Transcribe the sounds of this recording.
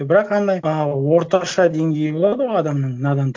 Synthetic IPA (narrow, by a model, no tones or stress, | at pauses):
ɪbɪɾɑqɑnd̪ɑjəwo̞ɾt̪ɑʃɑd̪e̞ŋɡʲe̞jɪbo̞lˠɑd̪əʁojɑd̪ɑmnəɴmnɑd̪ɑnt̪